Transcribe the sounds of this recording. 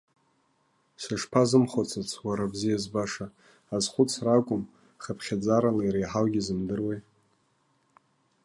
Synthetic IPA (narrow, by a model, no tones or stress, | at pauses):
saʂpʰazɨmχat͡sʰat͡sʰwaɾabzijazbaʂaː | zχʷʊt͡sʰrakʷʼʊm | χapʰχʲad͡zaɾalaiɾejħalɡʲizɨmdɨrwejt